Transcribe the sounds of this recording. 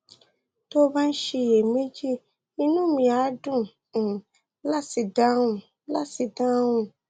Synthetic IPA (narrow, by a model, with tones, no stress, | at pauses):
to˦ba˦n̩˦ʃe˧je˨me˦d͡ʒi˦ | i˧nũ˦mĩ˧a˨˦dũ˦˨ | la˦si˨dã˦wũ˧˨ | la˦si˨dã˦wũ˦